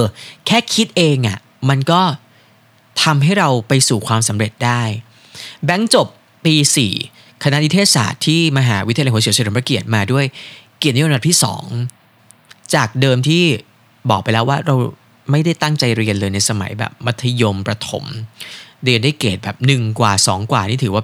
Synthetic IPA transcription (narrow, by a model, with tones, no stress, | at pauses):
ʔːkʰɛː˥˩kʰi˦˥t̪̚ʔeː˧ŋʔa̰˨˩ | ma˧nkɔː˥˩ | t̪ʰa˧mɦa˥˩jɾa˧wpa˧jsuː˨˩kʰwaː˧msa˩˦mɾe˨˩t̪̚daː˥˩j | bɛ˦˥ŋt͡ɕo˨˩pː | iː˧sḭː˨˩ | kʰa˧na˦˥ni˦t̪ʰeː˥˩sa̰ː˨˩t̪ʰːiː˥˩ma˧ɦaː˩˦wi˦˥t̪ʰa˧a˧jhu˩˦i˨˩˦sɾpɾa˧ki˨˩ət̪̚maː˧du˥˩əjki˨˩n̚ː˦˥˧t̪ʰiː˥˩sɔ̰ː˩˦ŋ | t͡ɕaː˨˩k̚dɤː˧mt̪ʰiː˥˩ | bɔː˨˩k̚pa˧jlɛː˦˥waː˥˩ɾa˧w | ma˥˩jda˥˩jt̪a˥˩ŋt͡ɕa˧jɾi˧ənlɤː˧jna˧jsa˧ma̰˩˦jbɛ̰ː˨˩p̚wa˦˥t̪ʰːa˧jo˧mpɾa˧t̪ʰo̰˩˦m | ɾi˧ənda˥˩jkeː˨˩t̪̚bɛ̰ː˨˩p̚nɯ˨˩ŋkwaː˨˩sɔː˩˦ŋkwaː˨˩niː˥˩t̪ʰɯː˩˦waː˥˩